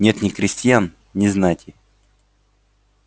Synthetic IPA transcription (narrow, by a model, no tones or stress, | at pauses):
nʲe̞t̪nʲɪkɾʲɪsʲtʲjan | nʲɪznajtʲɪ